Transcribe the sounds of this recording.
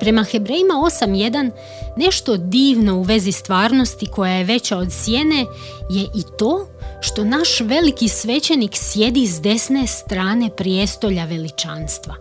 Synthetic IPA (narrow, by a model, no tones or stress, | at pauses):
pɾe̞maxe̞bɾeːjimao̞samje̞d̪anː | e̞ʃt̪o̞d̪iːʋno̞uʋe̞zist̪ʋaːɾno̞st̪iko̞jaje̞ʋe̞t͡ɕaod̪sje̞ne̞ | je̞ʔit̪o̞ːʃt̪o̞naʃʋe̞likisʋe̞t͡ɕeniksje̞d̪izd̪e̞sne̞st̪ɾaːne̞pɾijest̪o̞ʎaʋe̞lit͡ʃaːnst̪ʋa̰